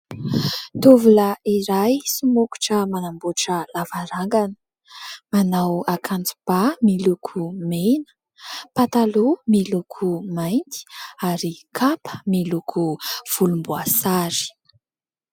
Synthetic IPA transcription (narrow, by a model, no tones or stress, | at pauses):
t̪ovuləiɾajsumuku̥ʈ͡ʂəmanambuʈ͡ʂəlavaɾaŋɡanə̥ | manawakʰant͡su̥b̥amilukʰumenə̥ | pat̪alumilukʰumajnt̪i̥aɾikʰapʰə̥milukʰuv̥ulumbuasaɾi̥